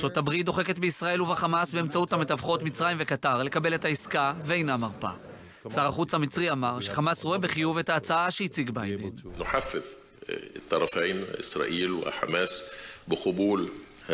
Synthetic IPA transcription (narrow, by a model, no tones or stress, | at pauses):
sot̪abʁit̚d̪o̞χe̞ke̞t̪beisʁae̞luvaχamasbe̞eːmt͡sauthamet̪avχo̞tmit͡sʁajimvekataʁle̞kabe̞let̪haiskaveejnamaʁpa̰ | saʁaχut͡shamit͡sʁiamaʁʃeχamasʁoebeχijuve̞taːt͡saaʃeit͡siɡbajdennoħafːeð | et̪ːɑɾˤɑfeːnʔesɾɑ̰ːʔiːlwḛħa̰mæːsbeqobuːl